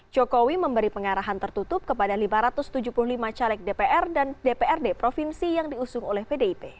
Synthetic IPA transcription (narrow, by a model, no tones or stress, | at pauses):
d͡ʒokowiməmbəɾipəŋaɾaɦant̪ərt̪ut̪ʊp̚kəpadalimaɾat̪ʊst̪ud͡ʒupulʊhlimat͡ʃalɛk̚depeʔɛrdandepeɛrdepɾofinsijaŋdiusʊŋolɛhpedeipe